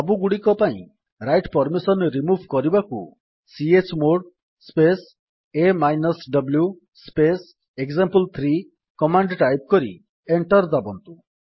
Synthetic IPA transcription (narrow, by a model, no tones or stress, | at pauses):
ɔbuɡuɽikɔpaḭ̃ | ɾajʈpɔɾmisɔnɾimubʱkɔɾibakṵ | siet͡ʃmoɽ | spes | emajnɔsɖɔblju | spes | ekzampəlt̪ʰɾi | kɔmaɳɖʈajp̚kɔɾḭ | eɳʈɔɾd̪abɔnt̪u